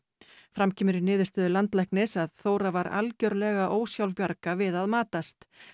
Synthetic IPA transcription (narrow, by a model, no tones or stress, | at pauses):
fɾamcʰɪːmʏɾɪnɪːðʏ̥st̪œːðʏlant̪lɛhknɪsaðθoːwɾavaɾʔa̰lcœɾlɛɣaʔoːwsjawlspjaɾkavɪðaðmaːt̪ast̪